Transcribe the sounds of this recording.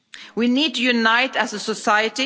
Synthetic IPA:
winid̚tɨjunaɪtæzəsəsaɪɨti

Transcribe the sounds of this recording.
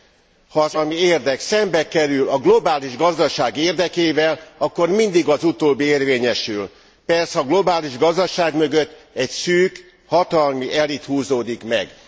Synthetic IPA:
hɒːzɒlmieːrd̪ɛksɛmbɛkɛɾylɒɡlo̞baːliʒɡɒzd̪ɒʃaːɡeːrd̪ɛkeːvɛlɒkːo̞rmind̪iɡɒzut̪oːbːieːrveːɲɛʃyl | pɛrsɛɒɡlo̞baːliʒɡɒzd̪ɒʃaːɡmø̞ɡø̞t̪ː | ɛcsyːk | hɒt̪ɒlmiʔɛlit̪huːzoːd̪ikmɛ̰ɡ

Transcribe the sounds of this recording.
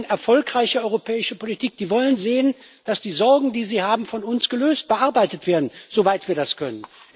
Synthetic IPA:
nʔɛɐfɔlkʁ̥aɪçəɔʏʁopʰɛːɪʃəpʰolitʰiːk̚d̥iːvɔlənzeːənd̥asd̥iːzɔɐɡŋ̩diːziːhaːbm̩fɔnʊnsɡ̥əløːst̚b̥əʔaɐbaɪtətv̥eːɐdn̩z̥ovaɪtv̥iːɐdaskʰœnən

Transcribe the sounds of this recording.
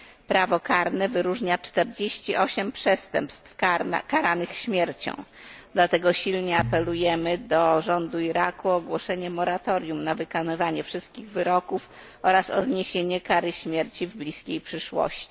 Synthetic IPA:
pɾavɔkaɾnɛvɘɾuʐɲat͡ʂt̪ɛɾd͡ʑeɕt͡ɕiʔɔɕɛmpʂɛst̪ɛ̰mpst̪fkaɾanɘxɕmʲjɛɾt͡ɕɔ̰̃w̃ | d̪̥lat̪ɛɡɔɕilɲɛapɛlujɛmɘd̪ɔʐɔnd̪uiɾakuɔɡwɔʂɛɲɛmɔɾat̪ɔɾʲjumnavɘkanɪvaɲɛfʂɘst̪̚kʲiɣvɘɾɔkuf | ɔɾasɔ̰zɲeɕeɲɛkaɾɘɕmʲjeɾt͡ɕivblʲiskʲejpʂɘʂwɔ̰ɕt͡ɕi̥

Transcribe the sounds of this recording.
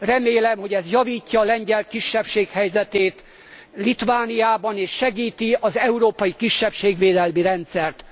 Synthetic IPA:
rɛmeːlɛmho̞ɟɛzjɒviːcːɒːlɛɲɟɛlt̪̚kiʃːɛpʃeːkhɛjzɛt̪eːt̪ | lit̪vaːnijaːbɒneːʃːɛɡiːt̪iɒzɛuɾoːpɒjikiʃːɛpʃeːɡʋeːd̪ɛlmiɾɛnt̪sɛrt̪

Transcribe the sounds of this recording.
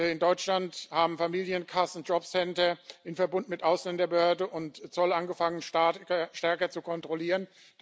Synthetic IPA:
ɪndɔʏt͡ʃlanthaːbm̩famiːljənkʰasn̩d͡ʒɔpsɛntɐɪnfɛɐbʊntnmɪtʔaʊslɛndɐbəhøːɐdəʔʊntt͡sɔlʔanɡəfaŋənʃtɛɐkɐt͡sukʰɔntʁ̥oliːʁən̥

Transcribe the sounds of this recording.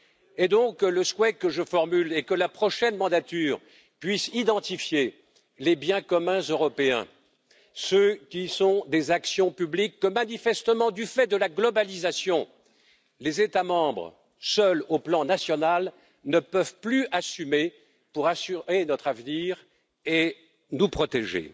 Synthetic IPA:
ed̪ɔ̃kːələswɛkəʒəfɔʁmylɛkəlapχɔʃɛnmɑ̃d̪at̪yːʁ | pɥisid̪ɑ̃t̪ifje | lebjɛ̃kɔmɛ̃zøʁɔpeɛ̰̃ | søkʲisɔ̃d̪ezaksjɔ̃pyblikːəmanifɛst̪əmɑ̃d̪yfɛd̪əlaɡlɔbalizasjɔ̃ | lezet̪amɑ̃bʁ | sœloplɑ̃nasjɔnal | nəpœvplyasyme | puʁasyʁenɔt̪χavniʁ | e | nupχɔt̪eʒḛ

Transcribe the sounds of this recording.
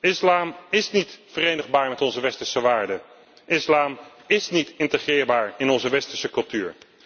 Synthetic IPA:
ɪslaːmɪsnitfərejnəχbaːɹmɛtɔnzəʋɛstəɹsəʋaːɹdə | ʔɪslaːm | ɪsnitɪntəχrɪːɹbaːɹɪnɔnzəʋɛstəɹsəkɵlˠtyːɹ

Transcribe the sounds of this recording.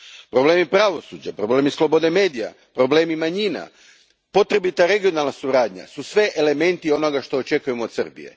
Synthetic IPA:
pɾo̞bleːmipɾaʋo̞suːd͡ʑapɾo̞ble̞ːmislˠo̞bo̞d̪e̞me̞ːd̪ija̰ | pɾo̞ble̞ːmimaɲiːna̰ | po̞t̪ɾe̞bit̪aɾe̞ɡio̞nalˠnasuɾaːd̪ɲa̰susʋe̞ʔele̞me̞nt̪io̞noɡaʃt̪o̞ot͡ʃe̞kuje̞moːd̪sr̩bḭje̞̰

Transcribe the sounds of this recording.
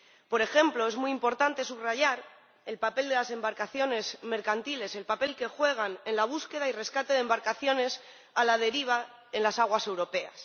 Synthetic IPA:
po̞ɾe̞xe̞mplo̞e̞zmuijimpo̞ɾt̪ant̪e̞suβraʝaɾ | e̞lpape̞ld̪e̞lase̞mbaɾkaθjo̞ne̞zme̞ɾkant̪ile̞se̞lpape̞lke̞xwe̞ɣ̞ane̞nlaβ̞uske̞ð̞aire̞skat̪e̞ð̞e̞mbaɾkaθjo̞ne̞s | alað̞e̞ɾiβ̞a | e̞nlasaɣ̞wase̞wɾo̞pe̞a̰s

